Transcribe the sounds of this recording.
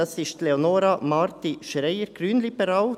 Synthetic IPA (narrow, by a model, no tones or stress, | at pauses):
ɛsɪʃt̪lɛɔnoːɾɑmɑːɾt̪ɪʃɾœʏəɾkʰɾyːnlɪbəɾɑːl